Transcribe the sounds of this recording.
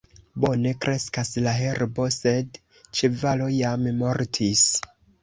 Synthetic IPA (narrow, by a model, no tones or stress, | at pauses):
bo̞ne̞kɾe̞skaslaɦe̞ɾbo̞se̞d | t͡ʃevalo̞jammo̞ɾtʰis